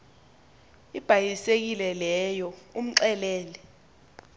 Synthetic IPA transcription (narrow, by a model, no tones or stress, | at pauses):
ib̥ʱajisek̬ilɛlɛjɔum̩ǀɛlɛːlɛ